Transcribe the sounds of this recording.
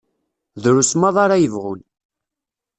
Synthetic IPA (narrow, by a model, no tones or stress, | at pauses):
ðɾusmɑðˤɑɾajəvʁʊn